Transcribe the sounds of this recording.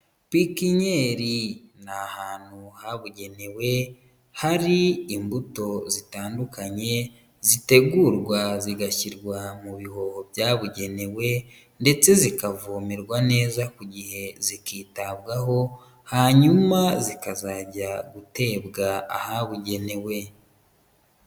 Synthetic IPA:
pikiɲeɾinahaːn̥huhaβuɟe̞newe̞ | haɾiːmbuto̞zitaːndukaɲe̞ | zite̞ɡuɾɡwaziɡaciɾɡwamuβiho̞hobjaːβuɟe̞ne̞we̞ | nde̞t͡se̞zikavuːmiɾɡwane̞ːzakuɟihe̞zikiːtaβɡaɦo̞ | haɲumazikazaɟaɡute̞bɡaa̰haβuɟe̞ne̞we̞

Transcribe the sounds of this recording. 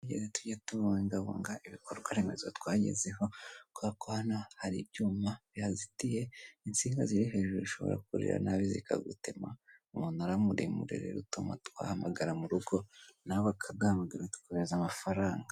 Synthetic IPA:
ɟḛzetuɟatuβaiŋɡaβo̰ŋɡaiβikoɾɡwaɾeme̞zatwaːɟḛzeɦo̞koakohanahaɾḭbɟuːmaβjazitije̞int͡siːŋɡaziɾiɦe̞ːʒuziʃo̞βo̞̰ɾa̰kuɾḭɾa̰naβizḭkaɡutemaumuːnaɾamuɾimṵɾḛɾḛɾutoma̰twa̰ːhamaɡaɾamuɾuɡo̞naβakʰaɡahamaɡaɾatu̥kuβezamafaɾaːŋɡa

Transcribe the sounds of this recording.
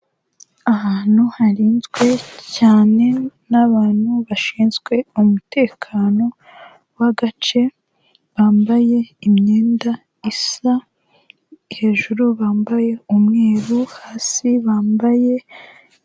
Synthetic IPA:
ahaːn̥huhaɾiːnzɡwe̞caːne̞naβaːn̥huβaʃiːnzɡwe̞umute̞ːkʰaːno̞ | waɡat͡ʃe̞ | βaːmbaje̞imɲe̞ːnda | isa | ihe̞ːʒuɾuβaːmbaje̞umŋe̞ːɾuhaːsiβaːmbaje̞

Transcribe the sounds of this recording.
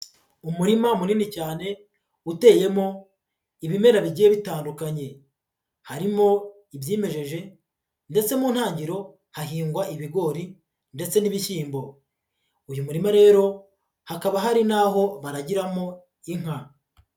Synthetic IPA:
umuɾimamuniːnicaːne̞ | ute̞ːje̞mo̞ | iβime̞ɾaβiɟijeβitaːndukaɲe̞ | haɾimo̞ | iβjiːme̞ʒe̞ʒe̞ | nde̞t͡se̞muːn̥haːɲɟiɾo̞ | haɦiːŋɡwaiβiɡo̞ːɾi | nde̞t͡se̞niβiçiːmbo̞ | ujumuɾimaɾe̞ːɾo̞ | hakaβaɦaɾinaːɦo̞βaɾaɟiɾamo̞ | iŋ̥a

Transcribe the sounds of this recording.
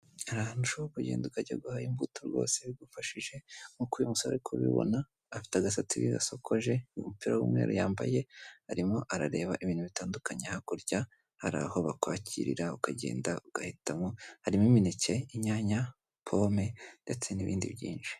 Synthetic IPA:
aɾahanuʃokuɟḛːndukaɟaɡuhaimbutʰoɾɡo̞̰ːse̞ɡufaʃiʒe̞ŋukujumusaβa̰ɾikʰo̰βḭβo̰naː | fi̥taɡasat͡siβḭɡa̰so̞kʰo̞ʒe̞mupiɾawṵmŋeːɾʔojaːmba̰je̞haɾimo̞ʔaɾaɾe̞ːβaʔiβiːnhuβitaːndukaɲehakoɾɟa | haɾa̰ho̞βakwaːciɾḭɾaukaɟe̞̰ːndauɡ̥ahitamohaɾimiminice̞iɲaːɲa | pʰome̞nde̞t͡se̞niβiːndḭβɟiːnʃi̥

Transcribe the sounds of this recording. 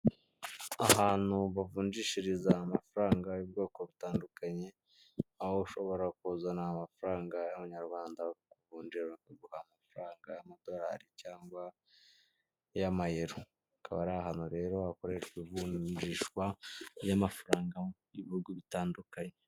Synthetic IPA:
aɦaːn̥uβavuːɲd͡ʒiːʃiɾizaːmafuɾaːŋɡajub̚ɡo̞ːko̞βitaːndukaɲe̞ | ahouʃo̞βo̞ɾakuzanaamafuɾaːŋɡajaβaɲaɾwaːndakuvuːɲd͡ʒiɾakuɡuhamafuɾaːŋɡajamado̞ɾa̰ːɾicaːŋɡwa | jamajeɾu | kʰaβaɾaaɦanhuɾe̞ːɾo̞akoɾeʃivuːɲd͡ʒiːʃkwajamafuɾaːŋɡajiβihuɡuβitaːndukaɲe

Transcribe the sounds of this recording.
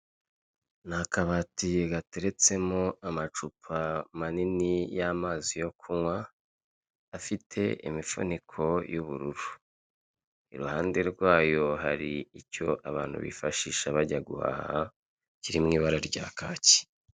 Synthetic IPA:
nakaβatijɡateɾe̞t͡se̞moamat͡ʃupʰamaninijamaːzijo̞kʰumwa | fitʰe̞̰ʔḭmifo̰nikʰo̞juβuɾuɾu | iɾuhaːnde̞ɾɡwaːjo̞ɦaɾiico̞ʔaβaːn̥hṵβḭfaʃiːʃaβaɟaɡuha̰ha | ciɾimŋiːβaɾaɾɟa̰ːkʰaːci̥

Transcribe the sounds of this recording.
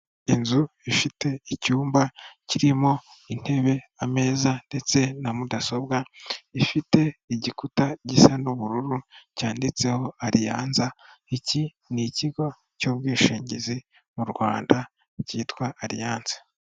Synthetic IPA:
inzuifite̞icuːmbaciɾimo̞in̥he̞βe̞ame̞ːzande̞t͡se̞namudaso̞bɡaifite̞iɟikutaɟisanuβuɾuɾucaːndit͡se̞ho̞aɾijaːnzaici | niciɡo̞ | coβ̚ɡiːʃiːɲɟizi | muɾɡwaːnda | ciːtwaːɾijaːnzḁ

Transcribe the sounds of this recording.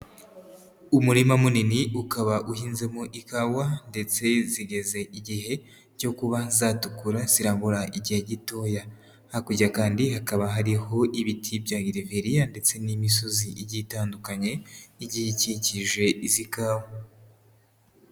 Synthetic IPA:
umuɾimamuniniukaβaʔuhiːnze̞muʔikawande̞t͡se̞ziɡe̞ze̞iɟiɦe̞ | ɾɟo̞kuβazaːtukuɾaz̥iɾaːmbuɾaʔiɟihe̞ɟito̞ːja | hakuɟakaːndihakaβaɦaɾiho̞ʔiβitʰibjaːɡiɾiveɾijande̞t͡se̞nimiso̞ziʔiɟitaːndukaɲe̞iɟihiciciʒe̞izikaːwa

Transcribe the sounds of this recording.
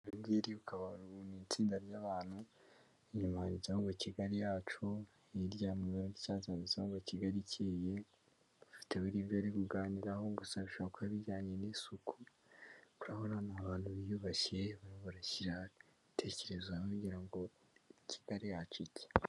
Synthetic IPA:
imɡiɾiukaβaɾuunit͡siːndaɾjaβaːn̥hu | iɲumanizauŋɡociɡaɾijaːt͡ʃu | iɾɟaːmuβaɾoɡicaːzanizaoɡociɡaɾiceːje̞ | ufi̥teβuɾiːβjoɾikuɡaːniɾaho̞ŋɡusaβiʃoβakuaβiɟaːɲenisuku | kuɾahonanaβaːn̥huβijuβaceβaɾiβuɾaciɾaitʰe̞ce̞ɾe̞zwakuɟiɾaŋɡo̞ | ici̥ɡ̥aɾijaːt͡ʃicʰe̥

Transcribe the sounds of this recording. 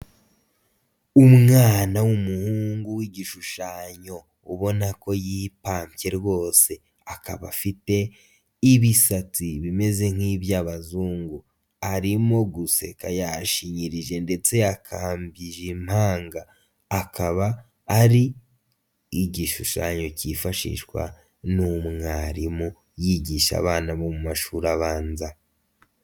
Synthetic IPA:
umŋaːnawumuhuːŋɡuwiɟiʃuʃaːɲo̞ | uβo̞nako̞jipaːmpje̞ɾɡo̞ːse̞ | akaβafite̞ | iβisat͡siβime̞ze̞ŋ̥hiβjaːβazuːŋɡu | aɾimo̞ɡuse̞̰kajaʃiɲiɾiʒe̞nde̞t͡se̞akʰaːmbiʒim̥haːŋɡaː | kaβaː | ɾiː | ɟiʃuʃa̰ːɲocifaʃḭʃɡwa̰ | numŋaɾimu | jiɟiʃa̰βaːnaβo̞mumaʃuːɾaβaːnza

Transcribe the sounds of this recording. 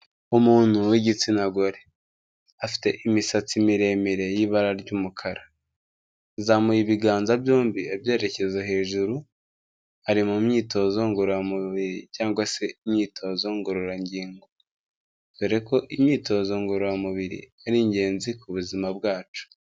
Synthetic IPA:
umuːn̥huwiɟit͡sinaɡoɾe | afi̥te̞̰ʔimisat͡simiɾe̞meɾe̞jiβaɾaɾɟuːmukʰaɾa | zamujiβiɡaːnzabjoːmbiebje̞ːɾe̞ce̞zaɦe̞ːʒuɾu | aɾimumɲiːto̞zo̞ŋɡoɾoɾamuβiɾicaːŋɡwase̞imɲiːtʰo̞zo̞ŋɡoɾoɾaɲɟiːŋɡo | beɾeko̞ʔimɲiːto̞zo̞ŋɡo̞ɾoɾamuβiɾḭ | aɾiɲɟe̞ːnzikuβuzimabɡaːt͡ʃu̥

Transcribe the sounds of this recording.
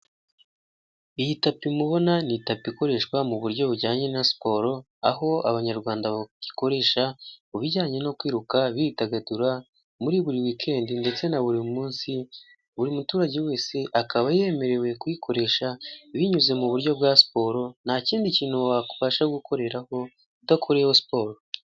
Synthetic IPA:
ijitapimuβo̞nanitapiko̞ɾe̞ʃkwamuβuɾɟo̞βuɟaːɲe̞nasi̥po̞ɾo̞ | a̰ɦo̞a̰βaɲaɾɡwaːndaβaɟi̥ko̞ɾe̞ʃauβiɟaːɲe̞no̞kwiːɾukaβiitaɡaduɾa | muɾiβuɾiwikʰe̞ːndinde̞t͡se̞naβuɾimumuːnsi | βuɾimutuːɾaɟewe̞ːse̞ʔakaβaje̞me̞ɾe̞we̞kuikʰo̞ɾe̞ʃaβiɲuze̞muβuɾɟo̞bɡasi̥po̞ːɾo̞nhaciːndiciːn̥huaku̥βaʃaɡukʰo̞ɾe̞ɾaho̞ | dokʰuɾehosi̥po̞ːɾo

